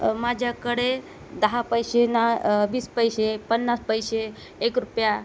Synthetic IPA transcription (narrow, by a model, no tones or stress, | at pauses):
mad͡ʒʱakəɽe | d̪əɦapəjsenabiːspəjsepənːaspəjseː | kɾupja